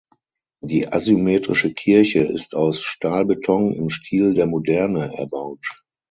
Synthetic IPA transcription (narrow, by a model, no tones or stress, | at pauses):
d̥iːʔa̰zymeːtʁɪʃəkʰɪɐçəɪ̰staʊsʃtaːlbətʰɔŋɪ̰mʃtʰiːldeːɐmodɛɐnəʔɛ̰ɐbaʊt